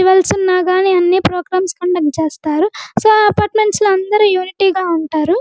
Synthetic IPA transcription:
iʋɐlsunːaːɡaːniɐnːiːpɾoːɡɾaːmskɐɳɖɐk̚ʈ̚t͡ʃeːst̪aːɾusoːɐpaːɾʈme̞ɳʈsluɐnd̪ɐɾujuːniʈiːɡaːuɳʈaːɾu

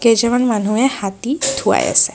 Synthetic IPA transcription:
kɛd͡ʒɛmanman̤uɛhat̪it̪ʰua̰ja̰sɛ

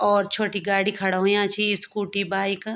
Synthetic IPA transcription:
ɔːɾt͡ʃʰoːʈiɡaːɽikʰɐɽaɦõjãːt͡ʃʰiskuːʈibaːɪk

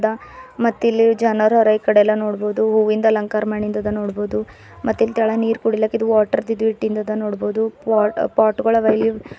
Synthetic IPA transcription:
d̪ɐmɐt̪ːilːid͡ʒɐnɐɾɦɔɾɐjikɐɽeɛlːɐno̞ːɽbo̞ːd̪uɦuːʋind̪ɐlɐŋkaːɾmaːɳind̪ɐd̪ɐnoːɽboːd̪u | mɐt̪ːilt̪aːɭɐniːɾkuɽilːɐːkid̪uʋaːʈɐɾd̪id̪ʋiʈːind̪ɐd̪ɐnoːɽbo̞ːd̪uːpaːɾʈɡoɭɐʋɐjli

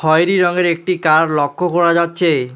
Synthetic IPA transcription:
ɔjɾiɾɔŋeɾek̚ʈikaɾlɔkʰːokoɾad͡ʑatːɕʰe

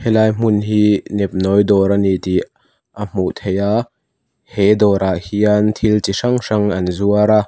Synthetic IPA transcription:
hɛlaːjm̥ʊnɦiːnɛp̚nɔjd̪ɔɾanit̪i | ʔam̥uʔt̪ʰejaʔ | hɛd̪ɔːɾʔaʔhiɐnt̪ʰilt͡siʂɐŋʂɐŋɐnzuɐɾa

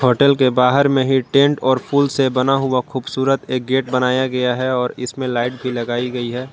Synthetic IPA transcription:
ɦoːʈəlkebaːɦəɾmẽɦiʈẽːɳʈɔːɾpʰuːlsebɐnaɦʊaxuːbsuːɾət̪eːk̚ɡeːʈ̚bɐnaːjaɡɐjaɦɛɔːɾɪsmẽlaːɪʈ̚bʱilɐɡaːiɡɐiɦɛː

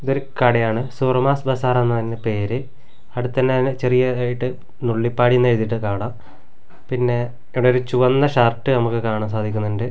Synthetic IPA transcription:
iðo̞ɾukɐɽɐjaːɳɨsurmaːsbɐsaːɾenːɐt̪ɐnːepe̞ːɾɨ | ɐɽut̪ːɐnːenːet͡ɕerijɐaːjiʈːɨ | nuɭːipːaːɽijunːejt̪ːiʈːɨkaːɳaːm | pinːe̞ | iʋɐɽeoɾut͡ɕuʋɐnːɐʂɐrʈːɨnɐmukːɨkaːɳɐms̬aːd̪ʱikʲːunːiɳɖɨ

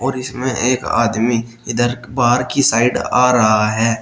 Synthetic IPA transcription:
ɔːɾɪsmẽʔeːka̰ːd̪mi | ɪd̪əɾ | baːɾkisaːɪɖaːɾɐɦaɦɛː

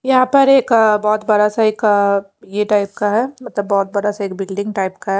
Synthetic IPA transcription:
jɐɦãpɐɾeːkbɔːt̪bɐɽasaeːk | jeʈaːɪp̚kaɦɛmɐt̪ləbːɔːt̪̚bɐɽasaeːkbɪlɖɪ̃ŋɡʈaɪpkaɦɛ

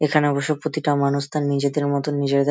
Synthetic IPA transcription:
ekʰaneɔboʃopɾot̪iʈamanuʃt̪anːid͡ʑed̪eɾmɔt̪onid͡ʑed̪e

